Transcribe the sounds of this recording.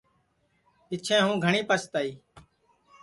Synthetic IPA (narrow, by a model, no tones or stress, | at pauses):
ɪt͡ʃʰẽːɦũːɡʱəɳiːpəst̪aːiː